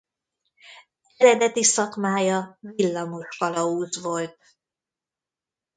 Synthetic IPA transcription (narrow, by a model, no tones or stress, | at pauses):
ɛɾɛd̪ɛt̪isɒkmaːjɒvilːɒmoʃkɒlɒuːzvo̞lt̪̚